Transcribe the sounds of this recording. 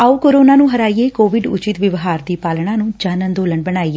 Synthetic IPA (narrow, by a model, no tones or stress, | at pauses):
aːuːkoːɾoːnãːnũːɦəɾaːieːkoːʋɪɖʊ̰t͡ʃɪt̪ʋɪʋɦaːɾd̪iːpaːlɽãːnũːd͡ʒaːnənd̪oːləɳbəɽaːiː